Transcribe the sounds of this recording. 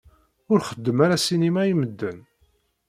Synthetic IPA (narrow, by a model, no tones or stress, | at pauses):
ʊɾχəd̪ːəmaɾasinimæjiməd̪ːən